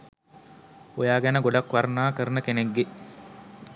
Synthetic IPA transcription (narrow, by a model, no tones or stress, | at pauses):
ojaːɡænəɡoɖakʋaɾnaːkəɾənəkeneɡːe